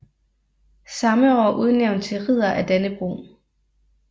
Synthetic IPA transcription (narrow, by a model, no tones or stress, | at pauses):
sɑ̈məɒ̰ːʔuð̞ˠneʊ̰nd̥̚t͡sʰe̝lʁið̰ˠɐʔæd̥enəb̥ʁo̰